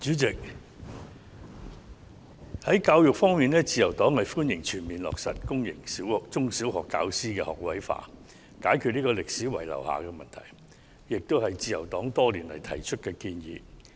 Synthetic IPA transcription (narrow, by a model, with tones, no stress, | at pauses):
t͡ʃyː˨˥t͡sɪ˨k̚ | hɐ˨˥jkaː˧wjʊ˨k̚fɔː˥ŋmiː˨nlɛː˥t͡siː˨jɐ˨˩wt̪ɔː˨˥ŋhɐ˨jfuː˥njɪ˨˩ŋt͡ʃʰyː˨˩nmiː˨˩nlɔ̰ː˨k̚sɐ̰˨t̚kʊ˥ŋjɪ̰˨˩ŋsiː˨˥wt͡sʊ˥ŋsi˨˥wɦɔː˨kːa̰ː˧wsiː˥kɛː˧hɔ̰ː˨˩k̚wɐ˨˥jfa̰ː˨˧ | kaː˨˥jkʰyː˨t̚niː˥kɔː˧lɪ˨k̚siː˨˥wɐ̰˨˩jlɐ̰˨˩wha̰ː˨kɛː˧mɐ˨nt̪ʰɐ̰˨˩j | jɪ˨k̚t̪o˥whɐ˨jt͡siː˨jɐ˨˩wt̪ɔː˨˥ŋt̪ɔː˥liː˨˩nlɐ̰˨˩jt̪ʰɐ̰˨˩jt͡ʃʰɵ˥t̚kɛː˧t̚kiː˧njḭː˨˧